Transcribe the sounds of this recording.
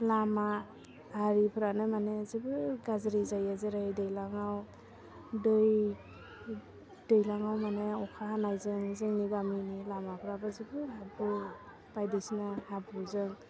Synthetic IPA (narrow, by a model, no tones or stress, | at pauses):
lamaː | ɾipʰɾanɯmanezibɯɡazɾizajazɯɾajdɯjlaŋaw | dɯj | dɯjlaŋawmaneɔkʰahanajzɯŋzɯŋniɡaminilamapʰɾabazibɯɦabu | b̥ajdɯsnahabuzɯŋ